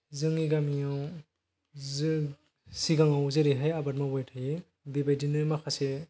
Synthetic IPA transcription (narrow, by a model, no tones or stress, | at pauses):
zɯŋiɡamiaw | z | siɡaŋawzɯɾeɦajabat̚mawɔjtʰaje | bibajdinɯmakʰase